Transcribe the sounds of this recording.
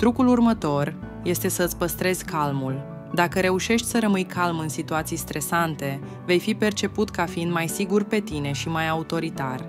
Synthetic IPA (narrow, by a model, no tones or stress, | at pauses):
t̪ɾukulurmət̪o̞r | je̞st̪e̞sət̪sʲpəst̪ɾe̞z̥ʲkʰalmul | d̪akəɾe̞uʃe̞ʃt̪ʲsəɾəmɨjkʰalmɨnsit̪uat̪sijst̪ɾe̞sant̪e̞ | ve̞jfipe̞rt͡ʃe̞put̪kafiind̪majsiɡurpe̞t̪ine̞ʃimajaut̪o̞ɾit̪a̰r